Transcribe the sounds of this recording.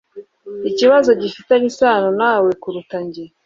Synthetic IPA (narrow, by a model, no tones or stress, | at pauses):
iciβazo̞ɟifitaɲisaːnonaːwe̞kuɾutaɲɟe